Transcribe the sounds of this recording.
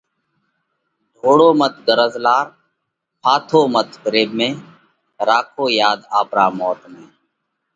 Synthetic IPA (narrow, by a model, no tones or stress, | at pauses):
ɖ̪ʱoːɽoːmət̪̚ʰɡəɾəzlaːɾ | pʰaːt̪ʰoːmət̪ʰkɾeːbmẽː | ɾaːkʰoːjaːd̪aːpɾaːmɔːt̪mẽː